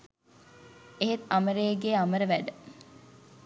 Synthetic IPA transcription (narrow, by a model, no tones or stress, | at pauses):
eɦet̪aməɾeːɡeːaməɾəʋæɖə